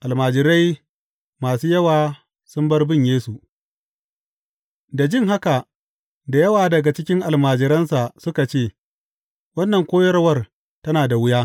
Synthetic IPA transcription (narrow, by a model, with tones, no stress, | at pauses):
ʔa˨lmaː˨d͡ʒɪ˨ɾa˦j | maː˨suː˦jɐ˦waː˨ | sʊ˦mbɐ˦rbɪ˦ɲjeː˦su˨ | da˨d͡ʒɪ˦ŋɦa˦ka˨ | da˨jɐ˦waː˨dɐ˨ɡa˨t͡ʃɪ˦kʲɪ˦ŋʔa˨lmaː˨d͡ʒɪ˨ɾɐ˦nsa˨ʔsʊ˦ka˨t͡ʃeː˦˨ | wɐ˦nːɐ˨ŋkʷoː˦jɐ˦rwɐ˦r | tɐ˦naː˨da˨wʊ˦jaː˦